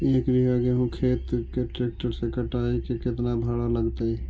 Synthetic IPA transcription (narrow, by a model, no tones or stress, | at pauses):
eːkdiɦaɡeɦũkʰeːt̪keʈeːk̚t͡ʃəɾsekəʈaːikekɪt̪nabʱaɽaləɡt̪eɛ